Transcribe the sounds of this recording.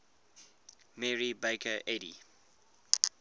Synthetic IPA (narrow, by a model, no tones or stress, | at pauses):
mɛɹibeɪkʰəʔɛɾḭ